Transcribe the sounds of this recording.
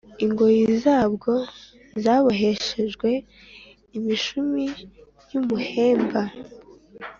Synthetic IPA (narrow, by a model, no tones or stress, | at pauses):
iŋɡo̞jizaːbɡo̞ | zaːβoɦe̞ʃe̞ʒɡwe̞ | imiʃumi | jumuhe̞ːmba